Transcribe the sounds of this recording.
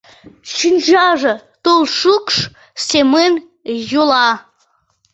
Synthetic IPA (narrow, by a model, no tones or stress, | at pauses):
ɕynʲʑɑʒɤ̆t̪olˠʃukʂ | sʲemen | jolˠɑ